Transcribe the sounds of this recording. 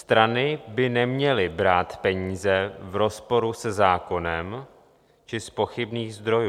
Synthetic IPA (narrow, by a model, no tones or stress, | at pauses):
st̪ɾanɪbɪnɛmɲɛlɪbɾaːt̪pɛɲiːzɛvɾo̞spo̞ɾusɛzaːko̞nɛm | t͡ʃɪspo̞xɪbniːɣzd̪ɾo̞juː